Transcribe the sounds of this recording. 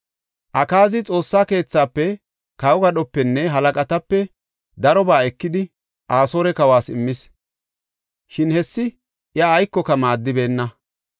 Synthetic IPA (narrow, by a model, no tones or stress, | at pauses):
ʔɐkaːzɪt͡sʼo̞ːsːaːke̞ːt͡sːaːpːɛ | kɐwɔɡɐɗɔpːɛnːɛɦɐlɐkʼɐt̪ɐpːɛ | d̪ɐɾɔbaːɛkːɪd̪ɪ | ʔaːso̞ːɾɛkɐwaːsɪ̰mːɪs | ʃɪnhɛsːɪ | ʔjaːjkːɔkɐmaːd̪ːɪbe̞ːnːɐ